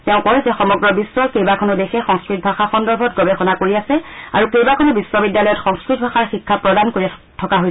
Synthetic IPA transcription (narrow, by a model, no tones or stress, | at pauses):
tɛʊ̃kɔjzɛxɔmɔɡɹɔbiswɔkejbakʰɔnʊdexɛxɔŋskɹit̚bʱaxaxɔndɔɹbʱɔt̚ɡɔbexɔnakoɹiasɛa̰ɹukejbakʰɔnʊbisːwɔbidjalɔjɔtxɔŋskɹit̚bʱaxaɹxikʰːapɹɔdankoɹiɛ | tʰɔkaɦoj